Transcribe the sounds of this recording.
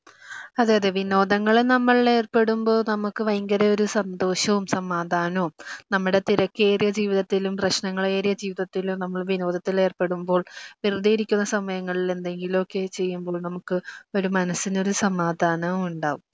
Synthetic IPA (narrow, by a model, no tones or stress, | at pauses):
ɐðaːjɐðeʋino̞ːd̪ɐŋːɐɭnɐmːɐɭe̞ːrpe̞ɽumbo̞ːɭnɐmukːɨʋɐjŋɡɐɾɐo̞ɾusɐnd̪o̞ːɕɐʋumsɐmaːd̪ʱaːnoːnɐmːuɽe̞t̪iɾɐkːe̞ːrijɐd͡ʑiːʋiðɐt̪ːilumprɐɕnɐŋːɐɭeːrijɐd͡ʑiːʋiðɐt̪ːilunɐmːɐɭʋino̞ːðɐt̪ːile̞ːrpe̞ɽumbo̞ːɭʋirud̪ijiɾikʲːunːɐsɐmːɐjɐŋːɐɭile̞nd̪e̞ŋɡilo̞kːe̞t͡ɕe̞jːumbo̞ːɭnɐmukːɨo̞ɾumɐnɐsːino̞ɾusɐmaːd̪ʱaːnɐmuɳɖaːʋum